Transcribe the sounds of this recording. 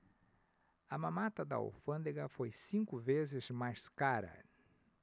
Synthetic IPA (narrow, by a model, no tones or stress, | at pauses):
ɐmɐ̃mat̪ɐd̪ɐ̰o̰wfɐ̃nd̪eɡɐfojsĩŋkʊvezɪzmajskaɾɐ̰